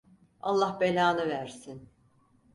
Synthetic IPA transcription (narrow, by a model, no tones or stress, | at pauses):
a̰lˠːahbelʲaːnɯvæɾsin